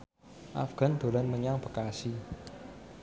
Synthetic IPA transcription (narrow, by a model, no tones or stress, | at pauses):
ʔa̰fɡ̥a̤nd̥̪o̤lənməɲaŋbə̤kasi